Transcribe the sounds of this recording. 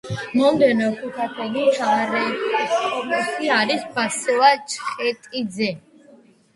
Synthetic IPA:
mɔmd̪ɛnɔkʰukʰat̪ʰɛlit͡ʃʰaɾɛkʼɔmɛtiaɾisbasɛat͡ʃʰχɛt̪ʼid̪zɛ

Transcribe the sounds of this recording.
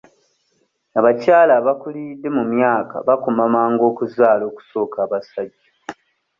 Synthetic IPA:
aβacaːlaːβakulidːe̞mumjaːka̰βakumamaːŋɡo̞ːkuzaːlo̞ːku̥so̞ːkʰaːβasaɟːa

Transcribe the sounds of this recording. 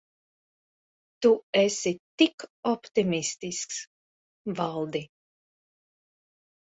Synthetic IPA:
t̪uɛsit̪ikɔpt̪imist̪isks | valˠd̪i

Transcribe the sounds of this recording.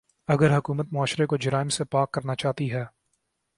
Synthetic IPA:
ɐɡəɾɦɐkuːmət̪mʊaːʃɾekod͡ʒɐɾaːɪmsepaːkːɐɾnat͡ʃaːt̪iɦɛː

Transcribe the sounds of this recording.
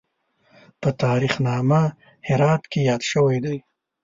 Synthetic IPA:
pət̪ɑːɾixnɑma | hɪɾɑt̪kejɑd̪ʃəwajd̪aj

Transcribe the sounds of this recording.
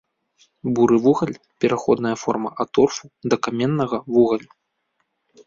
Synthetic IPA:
buɾɨvuɣɐlʲ | pʲɛɾaxɔd̪nɐjɐfɔ̰rmɐʔat̪ɔrfud̪ɐkamʲɛnːɐɣɐvuɣɐlʲ

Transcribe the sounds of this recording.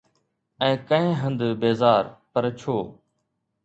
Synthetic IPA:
ɛ̃ːkə̃ẽːɦə̃nd̪beːzaːɾpəɾt͡ʃʰoː

